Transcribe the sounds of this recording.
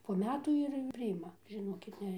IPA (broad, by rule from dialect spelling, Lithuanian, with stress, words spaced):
poː ˈmʲæːtuː ɪr pʲrʲɪˈɪmɐ ʒʲɪˈnoːkʲɪt ˈnʲɛ